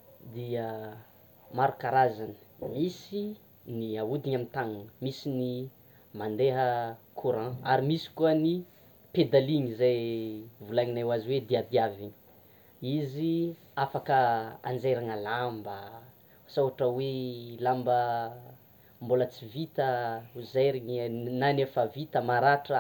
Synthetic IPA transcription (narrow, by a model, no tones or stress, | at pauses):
d̪ia | maɾukaɾazanə̥misi | niawud̪iɲamint̪aŋanmisini | mand̪eɦəkʰuɾãaɾimisi̥kuəni | ped̪aliɲizajvulaɲinawaziwed̪iad̪iaviɲ | izi | afakəa̰nd͡zeɾaŋalambə | sawɦaʈ͡ʂəwelambə | mbolət͡sivit̪əuzeɾiɲinanefavit̪əmaɾaʈ͡ʂə